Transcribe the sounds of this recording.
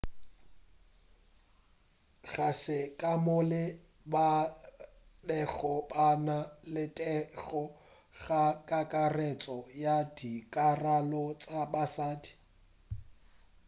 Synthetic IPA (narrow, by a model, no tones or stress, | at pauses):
ɣasɪkʼamʊlɪ | ba | dɛɣɔbanalɪtʼɛɣɔ | ɣakʼakʼarɛt͡sʼɔjadikʼaralɔt͡sʼabasaːdi̥